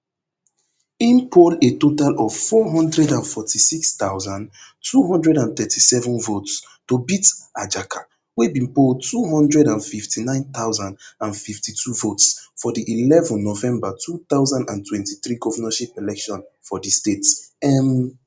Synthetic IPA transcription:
ĩnpʰoletotalɔv̥fɔɦɔ̃ndɹɛdãnfɔtʰisikstaʊzãn | tʰuɦɔ̃ndɹɛdãnθɛtʰisɛvə̃nvots | tobitad͡ʒakʰa | webĩnpold̚tʰuɦɔ̃ndɹɛdãnfiftʰinãɪ̃nθaʊzãndãnfiftʰitʰuvotsfɔdiʔilɛvə̃nːɔvɛ̃mbatʰuθaʊzãndã̰ntʰwɛ̃ntiθɹiɡɔvənaʃipɛlɛkʃɔ̃nfɔdistetsɛm

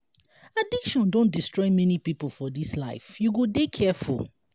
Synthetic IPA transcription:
adikʃɔ̃ndõndistɹɔɪmɛnipipolfɔdisla̰ɪfjuɡodekʰɛfṵl

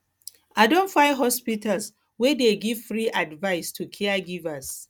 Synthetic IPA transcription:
ʔadɔ̃nfajɦɔspitals | wɛdeɡɪvfɾiʔadvajɪstʰukʰɛaɡɪvas

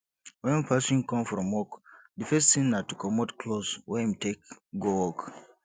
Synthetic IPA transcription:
wɛ̃npasɔ̃nkɔ̃mfɹɔ̃mwɔkdəfɛstsĩnatukʰɔmotkʰloswɛimtekɡowɔk

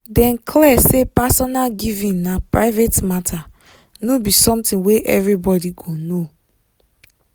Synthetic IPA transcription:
dɛ̃nkʰlɛsepasɔnalɡivĩnnapɹaɪvetmatʰa | nobisɔ̃mtĩnweʔɛvɹibɔdiɡono

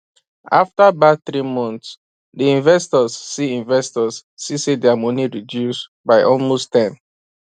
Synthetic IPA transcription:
aftabaθɹimɔ̃nts | diĩnvɛstɔzːiĩnvɛstɔsːisedɛamɔ̃niɹidjus | baɪʔɔlmostɛ̃m

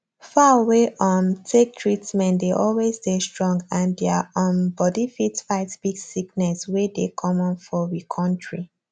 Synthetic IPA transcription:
faaweʔɔ̃ntʰek̚tʰɹitmɛ̃ndeʔɔlwezdestɹɔ̃ŋɡãndɛaɔ̃nbɔdifitfaɪtb̥iɡsiknɛswedekʰɔmɔ̃nfɔɹikʰɔ̃ntɹi

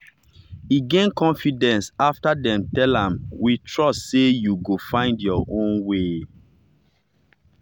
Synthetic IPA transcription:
iɡẽnkɔ̃nfidɛ̃nsaftadɛ̃mtɛlãmwitʰɹɔstsejuɡofãɪ̃ndjɔʔõnwe

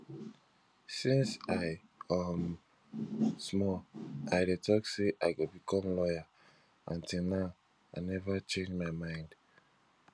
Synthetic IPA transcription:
sĩnsaɪ | am | smɔʔaɪdetʰɔkseʔaɪɡobikʰɔ̃mlɔja | ãntʰilnaʊ | aɪnɛvat͡ʃẽnd͡ʒmaɪmãɪ̃nd̥

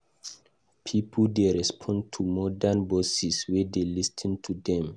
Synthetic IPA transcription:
pʰipʰldeɹɛspʰɔ̃ntʰumɔdanbɔsiswedelistʰntʰudɛ̃m

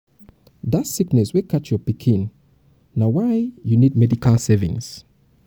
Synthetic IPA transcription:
ðatsiknɛswikʰat͡ʃjɔpikʰĩnː | awaɪjunid̚mɛdikʰalˠsɛvḭ̃ŋs

